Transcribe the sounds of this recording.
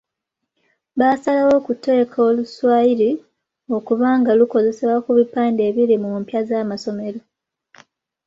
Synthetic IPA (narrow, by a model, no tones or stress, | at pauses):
βaːsalawo̞ːkute̞ːkʰoluswaːjiɾi | o̞kuβaːŋɡaluko̞ze̞sewakuβipaːnde̞ːβilimumpjazaːmaso̞me̞ɾo̞